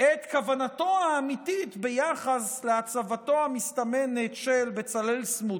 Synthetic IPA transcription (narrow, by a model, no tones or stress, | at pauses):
et̪kavanato̞aːmit̪it̪bejaχasleat͡savat̪o̞amist̪amenet̪ʃelbet͡salelsmud